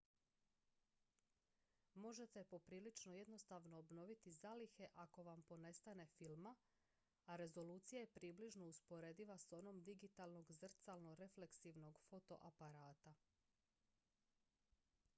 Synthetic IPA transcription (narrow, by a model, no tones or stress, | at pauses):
mo̞ʒe̞t̪e̞po̞pɾiːlit͡ʃnoje̞d̪no̞st̪aʋno̞ːbno̞ʋit̪izalixe̞ʔako̞ʋampo̞ne̞st̪ane̞filˠma | aɾe̞zo̞luːt̪sijajepɾiːbliʒno̞uspo̞ɾed̪iʋaso̞no̞md̪iɡit̪aːlno̞ɡzr̩t̪salˠno̞ɾe̞fle̞ksiʋno̞ɡfo̞t̪o̞̰ʔapaɾaːt̪a